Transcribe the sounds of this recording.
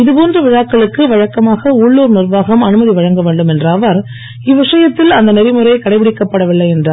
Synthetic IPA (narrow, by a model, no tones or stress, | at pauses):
ɪðɯpoːndrɐʋɪɻaːkːɐɭɯkːɯʋɐɻɐkːɐmaːɣɐʊɭːuːɾnɪrʋaːɣɐmɐnɯmɐðiʋɐɻɐŋɡɐʋeːɳɖɯmɛndrɐʋɐɾ | ɪʋɪʂɐjɐt̪ːɪlɐnd̪ɐnɛɾɪmɯrɐɪkɐɽɐɪpɪɽɪkːɐpːɐɽɐʋɪɭːɐɪɛndraː